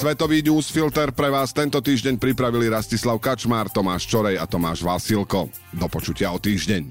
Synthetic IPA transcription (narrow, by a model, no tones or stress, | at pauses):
sʋɛt̪ɔʋiːɲuːsfilt̪ɛɾpɾɛʋaːst̪ɛnt̪ɔt̪iːʒɟɛɲpɾipɾaʋiliɾascislaʊkat͡ʃmaːɾt̪ɔmaːʃt͡ʃɔɾɛja̰t̪ɔma̰ːʒʋasilkɔ | d̪ɔpɔt͡ʃucɪaɔt̪iːʒɟɛɲ